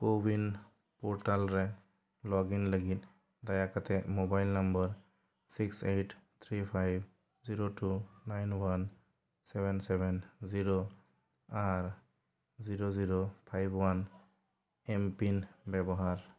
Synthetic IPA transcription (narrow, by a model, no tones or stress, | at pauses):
pobin | pɔɾʈalɾɛ | lɔɡiŋləɡit̪̚ | d̪ajakat̪ɛmobajlnambəɾ | siksett̪ʰɾipʰajb | ziɾotʰunajnwan | sɛbɛnsɛbɛnziɾo | aɾ | ziɾoziɾopʰajbʱwan | ɛmpinbɛbɔɦaɾ